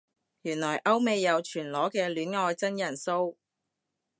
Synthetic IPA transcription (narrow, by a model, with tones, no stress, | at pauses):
jyː˨˩nlɔː˨˩jʔɐ˥wme˨˧jːɐ˨˧wt͡ʃʰyː˨˩nlɔː˨˥kɛː˧lyː˨˥nŋɔː˧jt͡sɐ˥njɐ˨˩nso˥w